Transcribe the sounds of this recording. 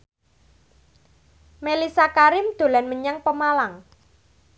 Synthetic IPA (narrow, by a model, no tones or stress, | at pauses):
melisakaɾɪmd̪̥o̤lanməɲaŋpəmalaŋ